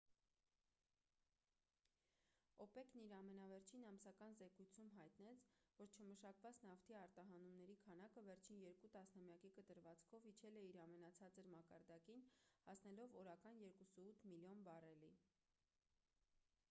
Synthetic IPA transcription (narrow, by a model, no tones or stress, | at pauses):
ɔpɛkniɾɑmɛnɑvɛɾt͡ʃʰinɑmsɑkɑnzɛkujt͡sʰumɦɑjt̪nɛt͡sʰvɔɾt͡ʃʰəməʃɑkvɑt͡snɑft̪ʰiɑɾt̪ɑɦɑnumnɛɾikʰɑnɑkəvɛɾt͡ʃʰinjɛɾkut̪ɑsnɑmjɑkikət̪əɾvɑt͡skʰɔvit͡ʃʰɛlɛiɾɑmɛnɑt͡sʰɑt͡səɾmɑkɑɾd̪ɑdkinhɑsn̪ɛlɔvɔɾɑkɑnjɛɾkusuut̪ʰmiljɔnbɑrɛli